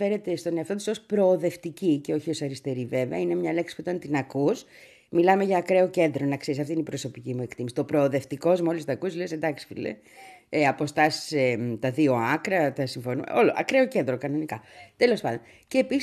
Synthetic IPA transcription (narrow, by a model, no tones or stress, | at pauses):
fe̞ɾet̪e̞st̪o̞neɐft̪ot̪i̥so̞spɾo̞ːðe̞ft̪iciceo̞çio̞sɐɾist̪e̞ɾive̞veɐ̰ine̞mɲɐle̞ksi̥puit̪ɐnt̪inɐkus | milɐme̞ʝɐːkɾe̞o̞ce̞nd̪ɾo̞nɐkseɾisɐft̪inipɾo̞so̞picimue̞kt̪imisio̞pɾo̞ːðe̞ft̪iko̞zmo̞list̪ɐkuslesend̪ɐksi̥fḭlḛ | eɐpo̞st̪ɐsi̥set̪ɐðio̞ɐkɾɐt̪ɐsiɱfo̞nṵo̞loʔɐ̰kɾe̞oce̞nd̪ɾo̞kɐno̞nikɐt̪e̞lo̞spɐnd̪on | ceːpi